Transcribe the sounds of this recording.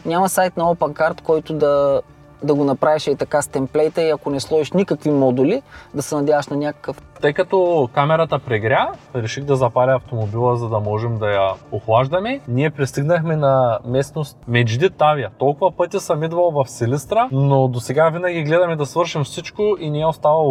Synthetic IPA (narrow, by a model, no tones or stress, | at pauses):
nʲamɐsajt̪nɐɔpɛnkaɾt̪kɔjt̪ʊd̪ɐ | d̪ɐɡonɐpɾaviʃit̪ɐkast̪ɛmplɛjt̪əiɐkonɛslˠɔiʃnʲikɐkvimɔd̪ulid̪ɐsɛnɐd̪ʲjavəʃnɐnʲakə̥kəft̪ɤjkɐt̪ɔkamɛɾɐt̪ɐpɾɛɡɾʲaɾɛʃixd̪ɐzɐpalʲɛɐft̪omobilˠəzɐd̪ɐmɔʒɛmd̪ɐjɐoxlˠaʒd̪ɐmɛniɛpɾist̪iɡnɐxmɛnɐmɛsnost̪̚mɛd͡ʒd̪it̪ːavijɐt̪ɔlˠkʊvɐpɤt̪ʲisɐmid̪vɐlˠvɐfsɛlist̪ɾənod̪osɛɡavinɐɡʲiɡlɛd̪ɐmɛd̪ɐsvɤɾʃimfsit͡ʃkoʔinɛɛost̪avɐlˠ